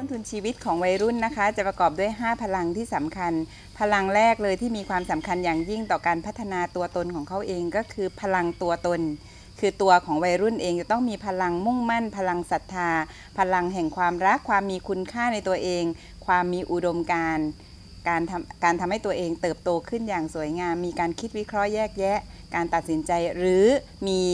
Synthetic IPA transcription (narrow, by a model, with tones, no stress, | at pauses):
ɔ˥˩nt̪ʰu˧nt͡ɕʰiː˧wi˦˥t̪̚kʰɔː˩˦ŋwa˧jɾu˥˩nːa˦˥kʰa˦˥t͡ɕa˨˩pɾa˧kɔː˨˩p̚du˥˩əjɦaː˥˩pʰa˧la˧ŋt̪ʰiː˥˩sa˩˦mkʰa˧n | pʰa˧la˧ŋɾɛː˥˩k̚lɤː˧jt̪ʰiː˥˩miː˧kʰwaː˧msa˩˦mkʰa˧njaː˨˩ŋji˥˩ŋt̪ɔː˨˩kaː˧npʰt̪ʰːa˧naː˧t̪u˧ɐt̪o˧nkʰɔː˩˦ŋkʰa˦˥wʔeː˧ŋkɔː˥˩kʰɯː˧pʰa˧la˧ŋt̪u˧ɐt̪o˧n | kʰɯː˧t̪u˧ɐkʰɔː˩˦ŋwa˧jɾu˥˩nʔeː˧ŋt͡ɕa˨˩t̪ɔ˥˩ŋmiː˧pʰa˧la˧ŋmu˥˩ŋma˥˩npʰa˧la˧ŋsa˨˩t̪ʰːaː˧ | pʰa˧la˧ŋɦɛ˨˩ŋkʰwaː˧mɾa˦˥kʰːwaː˧mːiː˧kʰu˧nkʰaː˥˩na˧jt̪u˧ɐʔeː˧ŋ | kʰwaː˧mːiː˧ʔu˨˩do˧mkaː˧n | kaː˧nʰ˧kaː˧nt̪ʰa˧mha˥˩jt̪u˧ɐʔeː˧ŋt̪ɤː˨˩p̚t̪oː˧kʰɯ˥˩njaː˨˩ŋsu˨˩˦jŋaː˧mːiː˧kaː˧nkʰi˦˥t̪̚wi˦˥kʰɾɔ˦˥ʔjɛː˥˩k̚jɛ˦˥ʔ | kaː˧nt̪a˨˩t̪̚si˩˦nt͡ɕa˧jɾɯː˩˦ | miː˧